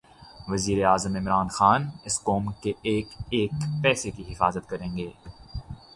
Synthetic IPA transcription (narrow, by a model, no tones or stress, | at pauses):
ʋɐziːɾeaːzəmɪmɾaːnxaːnɪskɔːmkeeːkeːkpɛːsekiɦɪfaːzət̪kɐɾẽːŋɡeː